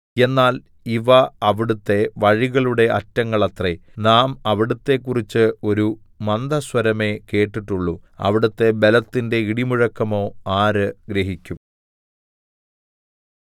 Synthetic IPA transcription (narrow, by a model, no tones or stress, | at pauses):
e̞nːaːl | iʋɐɐʋiɽut̪ːe̞ʋɐɻiɣɐɭuɽe̞ɐtːɐŋːɐɭɐt̪renaːmɐʋiɽut̪ːe̞kːurit͡ɕːɨo̞ɾu | mɐnd̪ʱɐswɐɾɐme̞ke̞ːʈːiʈːuɭːuɐ̰ʋiɽut̪ːe̞belɐt̪ːinde̞iɽimuɻɐkːɐmo̞ːaːɾɨɡɾeɦikʲːum